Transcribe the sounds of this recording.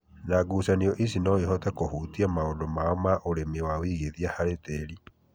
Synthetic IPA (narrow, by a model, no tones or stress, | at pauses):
naɡusaniɔʔisinɔeɦɔtɛkohuːtiamaondomaɔmaʔoɾemewawiɣeðiahaɾetɛɾi